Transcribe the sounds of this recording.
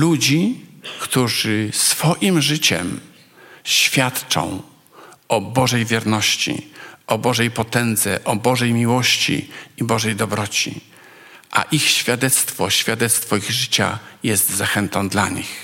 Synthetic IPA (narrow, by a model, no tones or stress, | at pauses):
lud͡ʑikt̪uʐɘsfɔʔimʐɘt͡ɕɛ̰m | ɕfʲjat̪t͡ʂɔ̰̃w̃ | ʔɔbɔʐɛjvʲjɛɾnɔɕt͡ɕḭɔbɔʐɛjpɔt̪ɛnd̪zɛʔɔbɔʐɛjmʲiwɔɕt͡ɕḭibɔʐɛjd̪ɔbɾɔt͡ɕḭ | ʔa̰ʔixɕfʲjad̪ɛt̪st̪fɔɕfʲjad̪ɛt̪st̪fɔiɣʐɘt͡ɕa̰jɛst̪zaxɛnt̪ɔ̃nd̪laɲḭx